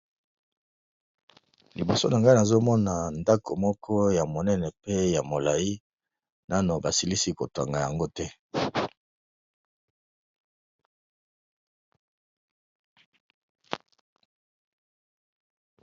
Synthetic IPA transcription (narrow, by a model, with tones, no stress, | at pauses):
li˨bo˨so˦na˨ŋɡa˦na˨zo˦mɔ˦na˨nda˦kʰo˨mɔ˦kʰɔ˦ja˨mo˨nɛ˦nɛ˨pe˦ja˨mo˨la˨ji˦ | na˦no˨ba˨si˨li˦si˦ko˨twa˨ŋɡa˨ja˨ŋɡo˦tɛ˦